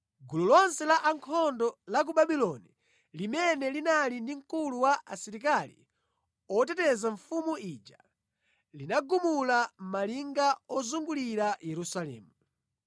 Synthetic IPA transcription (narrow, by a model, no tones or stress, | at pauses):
ɡululɔnsɛlaʔaŋkʰɔndɔlak̬ubaɓilɔni | limɛnɛlinalindiŋ̩kuluwaʔasiɾik̬alḭ | ɔtɛtɛzaɱfumuid͡ʒa | linaɡumulam̩maliŋɡaɔzuŋɡuliɾajɛɾusalɛ̰ːmu